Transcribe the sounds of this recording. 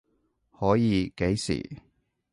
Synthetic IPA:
hɔː˨˥jiː˨˧ke˨˥jsḭː˨˩

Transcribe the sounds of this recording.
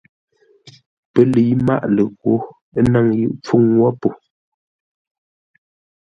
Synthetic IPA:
pə˦lə˨i˦ma̰˦ʔlə˨ɣwo˨˦ | na˦ŋjɯ̰˦˨ʔp͡fu˦ŋwɔ˦po˨

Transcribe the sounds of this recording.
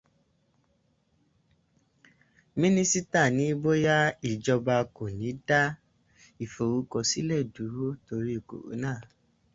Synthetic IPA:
mĩ˦nĩ˦si˦ta˦˨nĩ˨˦bo˦ja˦i˨d͡ʒɔ˧ba˧ko˨nĩ˨˦da˦ | i˦˨fo˨wu˨˦kɔ˧˨si˦lɛ˦˨du˨˦ɾo˦to˧ɾi˦i˦˨ko̰˨ṵ˨˦nãː˦˨

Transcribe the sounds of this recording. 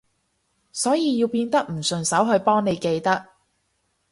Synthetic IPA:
sɔː˨˥jiː˨˧ji˧wpiː˧nt̪ɐ˥k̚m̩˨˩sɵ˨˩nsɐ˨˥wɦɵ˧ɥpɔː˥ŋne˨˧jke˧jt̪ɐ˥k̚

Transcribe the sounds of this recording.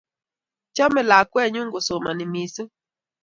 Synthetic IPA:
t͡ʃɔ˦mɛ˨la˨kwɛ˦˨ɲu˦ŋɡo˨so˨ma˨nɪ˨mi˨so˦

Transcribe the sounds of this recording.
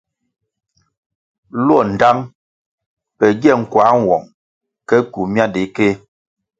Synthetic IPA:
lɔ˦˨n̩˨da˦ŋ | pɛ˨ɡjɛ˦˨ŋ̩˨kwa˨˦ŋ˨wɔ̰˨ŋ | kɛ˦ku˨mja˦de˨˦ke˦

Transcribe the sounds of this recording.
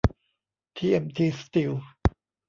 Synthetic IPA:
t̪ʰiː˧ʔe˧mt̪ʰiː˧st̪i˧w

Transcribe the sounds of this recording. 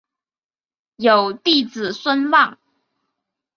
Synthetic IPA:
jo˨˩ʊt̪i˥˩t͡sɹ̩˨˩swə˥nwɑ˥˩ŋ

